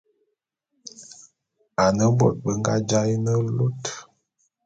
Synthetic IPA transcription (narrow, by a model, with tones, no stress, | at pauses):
a˨nə˦bɔ̰˦˨t̚bə˨ŋ˦ɡa̰˦d͡ʒa˦jnə˦lo˦t